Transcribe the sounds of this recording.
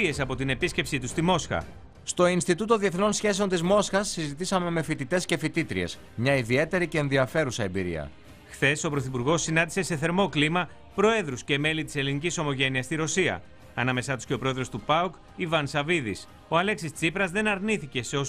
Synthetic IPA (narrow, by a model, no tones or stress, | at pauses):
e̞sɐpo̞t̪ine̞pisce̞psit̪ust̪imo̞sxɐ̰ | st̪o̞inst̪it̪ut̪oðie̞θno̞nsçe̞seo̞nt̪izmo̞sxɐsːizit̪isɐme̞me̞fit̪it̪e̞sce̞fit̪it̪ɾiḛs | mɲɐiðie̞t̪e̞ɾice̞ːnðiɐfe̞ɾusɐembiɾḭɐ̰ | xθe̞so̞pɾo̞θipuɾɣo̞sːinɐnd̪ise̞se̞θe̞ɾmo̞klimɐ | pɾo̞e̞ðɾusce̞me̞lit̪i̥se̞liniciso̞mo̞ʝe̞niɐst̪iɾo̞siɐ̰ | ɐnɐme̞sɐt̪u̥scepɾo̞e̞ðɾo̞st̪upɐuk | ivɐnsɐviðis | o̞ɐle̞ksist͡sipɾɐzðe̞nɐɾniθice̞seo̞